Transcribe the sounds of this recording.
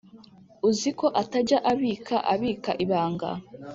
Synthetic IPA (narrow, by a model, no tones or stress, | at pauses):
uziko̞ʔataɟaʔaβiːkʰaʔaβiːkaʔiβaːŋɡa̰